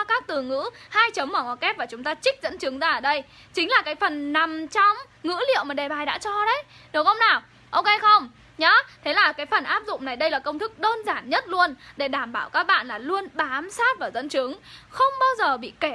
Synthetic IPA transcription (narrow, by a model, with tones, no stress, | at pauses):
kaː˦˥k̚t̪ɨ˨˩ŋɨ̰˧˥haː˧jt͡ɕə˨˦mmɔ˨˩ŋɔ˨˦kɛ˦˥p̚vaː˨˩t͡ɕʊ˨˦ŋ͡mt̪aː˧t͡ɕï˦˥k̟̚zə̰˧˥nt͡ɕɨ˨˦əŋzaː˧ʔəː˧˩ɗə˧j | t͡ɕï˨˦ŋ̟laː˨˩kaː˨˦jfə˨˩nːa˨˩mt͡ɕɔ˧wŋ͡m | ŋɨ̰˧˥lḭ˧˨əwmaː˨˩ɗe˨˩ɓaː˨˩jɗa̰ː˧˥t͡ɕɔ˧ɗə˨˦j | ɗɨ˨˦wxə˧wŋ͡mnaː˨˩w | ʔo˧ke˧xə˧wŋ͡m | ɲɔ˨˦t̪ʰe˨˦laː˨˩kaː˨˦jfə˨˩nʔaː˦˥p̚zʊ̰˧˨ŋ͡mna˨˩jɗə˧jlaː˨˩kə˧wŋ͡mt̪ʰɨ˦˥k̚ɗəː˧nzaː˧˩nɲə˦˥t̚lu˧ənɗe˧˩ɗaː˧˩mɓaː˧˩wkaː˦˥k̚ɓa̰ː˧˨nlaː˨˩lu˧ənɓaː˨˦msaː˦˥t̚vaː˨˩zə̰˧˥nt͡ɕɨ˨˦əŋxə˧wŋ͡mɓaː˧wzəː˨˩ɓḭ˧˨ke˧˩